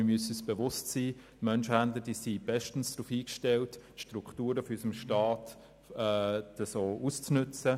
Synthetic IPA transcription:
ɪmyəsəysb̥eʋʊstsiːtmœnʃhændləd̥iːsib̥ɛʃtn̩sd̥ɾuːfiːkʃtɛltʃtɾuktuːɾəfɔysəmʃtɑːt | ɛːtəsoːʔust͡snʏt͡sə

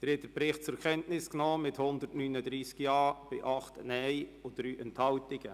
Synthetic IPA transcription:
d̥əɾɪtəpɾɪχt̚t͡sʊkʰɛntnɪsknoːmɪthʊnd̪əɾtnyːnədɾiːskjɑːb̥ɪʔɑχtnɛɪod̥ɾyːʔɛnthɑltɪɡ̥ə

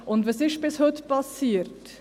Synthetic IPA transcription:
ʔʊndʋɑsɪʃb̥ɪshɵtpɑsiːəɾt

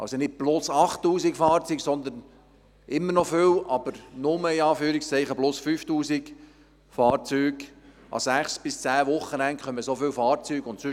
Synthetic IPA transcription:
ʔɑ̰lsonɪt̚b̥lʊsɑχtːuːzikfɑːɾt͡syːksɔnd̪ən | ʔɪmːəɾnɔfʏwʔɑb̥əɾnʊməiɑːfyːɾikst͡sɛɪχəblʊsfyːftuːsik | fɑːɾt͡syːɡ | ʔɑ̰sæχsb̥ɪst͡sæːʋʊχːənɛŋkχœməsofʏwfɑːɾt͡syːɡʊntsʏ

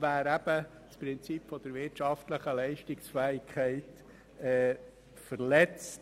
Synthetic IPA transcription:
væːɾæb̥ə | spɾɪnt͡sipfɔd̥̪əɾʋɪɾtʃɑftləχəlɛɪʃtɪksfæːɪkʰɛɪt | ɛː | fəɾlɛt͡st

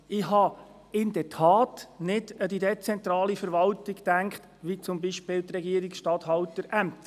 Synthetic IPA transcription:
ɪhɑ | ɪnd̥ɛtʰɑːtnɪdədidet͡sɛnt̪ɾɑːlifəɾʋɑltɪɡtæŋkχt̪ʋit͡sʊmbiʃpɪːlt̪ɾɛɡiəɾiksʃtɑthɑwtəɾʔæmt̪

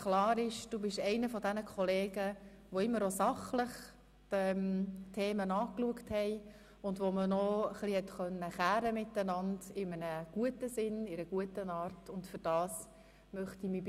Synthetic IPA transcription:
klɑːɾɪʃd̥uːbɪʃɛɪnəfɔdɛnəkʰɔleːɡ̥ə | ʋoɪmːəɾosɑχləχ | tɛmtʰeːmənɑːkluəkthɛɪ | ʊndʋomənɔəχlihɛtχœnːəχæːɾəmɪtːənɑndɪmənəɡ̥uətəsɪnɪɾəɡ̥uətənɑːɾtʊndfʏɾd̥ɑːs | mœχtimi

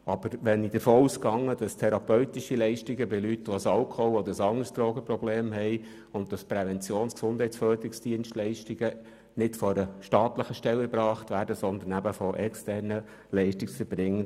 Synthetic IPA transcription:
ʔɑb̥əɾʋɛnid̪əfoːuːskɑŋːəd̥ɑst̪ʰɛɾɑpœɥt̪iʃilɛɪʃtiɡəbɪlytʋoəsɑlkʰɔhuɔd̪əɾəsɑŋəɾst̪ɾoːɡəprɔbleːmɦɛɪ | ʊntdɑspɾɛʋɛnt͡sjoːnsksʊnd̥hɛɪt͡sfœːd̪ɾɪksd̥iənʃtlɛɪʃtiɡ̥ə | nɪtfɔɾəʃtɑːt̪ləχəʃtɛləbɾɑːχtvʋæːɾdəsɔnd̪ənæbəfɔʔɛkstæɾnə | lɛɪʃtɪksfəɾb̥ɾɪŋːə

